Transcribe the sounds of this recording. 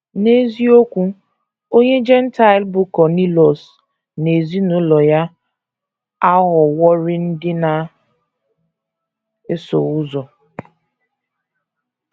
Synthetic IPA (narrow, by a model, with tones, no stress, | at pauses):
ne˦zi˦o˦kʷu˦ | o˦ɲe˦d͡ʒɛ˦n̩˦ta˨ɪ˨lbʊ˨kɔ˨ni˦lɔ˨s | ne˨zi˦nʊ˦lɔ˨ja˦ | a˦ɦʊ˨wɔ˦ɾɪ˦n̩˦dɪ˦na˨ | e˦so˨ʊ˦zɔ˨